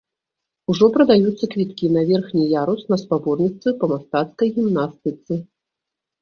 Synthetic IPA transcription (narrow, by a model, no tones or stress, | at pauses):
uʐɔpɾɐd̪ajut̪sːɐkvʲit̪kʲinɐvʲɛrxnʲijaɾusnɐspabɔrnʲit̪svɨpɐmast̪at̪skɐjɣʲimnast̪ɨt̪sɨ